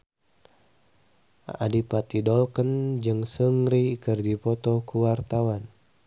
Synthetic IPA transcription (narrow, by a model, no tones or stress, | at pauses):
a̰dipat̪idɔlkənd͡ʒɨŋsəŋɾikɨrdipɔt̪ɔkuwart̪awan